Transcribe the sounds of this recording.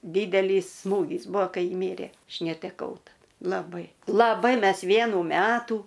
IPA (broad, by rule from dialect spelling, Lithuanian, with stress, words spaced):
ˈdʲiːdʲɛlʲiːs ˈsmuːɡʲiːs ˈbuɔ ˈkɐɪ jɪ ˈmʲiːrʲeː ˈɐʃ nʲɛtʲɛˈkɐʊ tɐˈdɐ lˠɐˈbɐɪ lˠɐˈbɐɪ ˈmʲɛs ˈʋʲiɛnuː ˈmʲæːtuː